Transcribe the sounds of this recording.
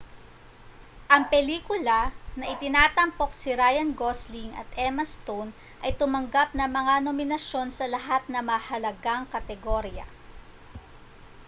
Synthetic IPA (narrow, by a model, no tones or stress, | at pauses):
ʔɐŋpɛliːkʊlɐnɐʔɪt̪ɪnaːt̪ɐmpo̞k̚sɪɾajɐnɡosliŋɐ̰t̪ɛmɐst̪on | ʔɐjt̪ʊmɐŋɡap̚nɐŋmɐŋanomɪnɐʃjo̞nsɐlɐɦat̪̚nɐmɐhɐlɐɡaŋkɐt̪ɛɡoɾjɐ̰